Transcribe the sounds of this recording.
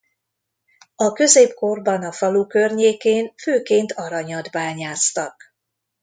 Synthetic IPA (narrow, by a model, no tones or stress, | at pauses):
ɒkø̞zeːpko̞rbɒnɒfɒlukø̞rɲeːkeːnføːkeːnt̪ʰɒɾɒɲɒd̪baːɲaːst̪ɒk